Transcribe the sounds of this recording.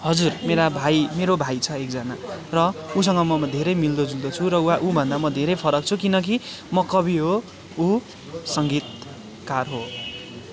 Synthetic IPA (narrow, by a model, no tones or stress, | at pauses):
hʌd͡zurmeɾabʱajmeɾobʱajt͡sʰʌekd͡zʌnarʌus̬ʌŋɡʌmʌd̪ʱeɾʌjmild̪od͡zuld̪ot͡sʰuɾʌuaʔubʱʌnd̪amʌd̪ʱeɾʌjpʰʌɾʌk̚t͡sʰukinʌk̬imʌkʌbʱiɦo | u | sʌŋɡit̪̚ | karɦo